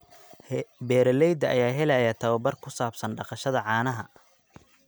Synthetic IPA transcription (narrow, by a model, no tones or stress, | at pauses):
bɛːɾɐlɛjd̪ɐʔɐ̰jaːɦɛlɐjat̪ʰɐwɐbɐrkʰʊsaːbsɐnɖɑqɑʃɐðɐʕɑːnɐɦɐ